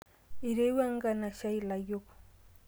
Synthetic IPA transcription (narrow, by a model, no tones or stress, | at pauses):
ɪɾewaŋɢɑnaʃajlajoχ